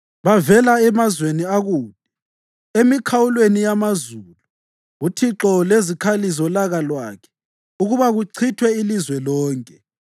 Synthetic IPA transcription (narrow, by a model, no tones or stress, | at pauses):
βavɛlaɛmazweniaɣuːd̥̚ʱʼi | emikʰawulwenijamazulu | ɣutʰiǁɔlezikʰalizɔlaɣalwa̰kʰɛ̥ | uɣuβaɣuǀʰitʰwɛilizwɛlɔːŋkʼɛ